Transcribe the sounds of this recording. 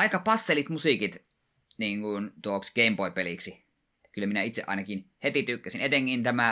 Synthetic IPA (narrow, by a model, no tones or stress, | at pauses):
ɑˑikɑpɑsːelit̪musiˑkit̪ | niːŋɡunt̪uoksɡ̥eimboipeliksi | kylːˑæminæit̪seʔɑ̰ˑinɑkinhet̪it̪ykːæsinet̪eŋkint̪æmæ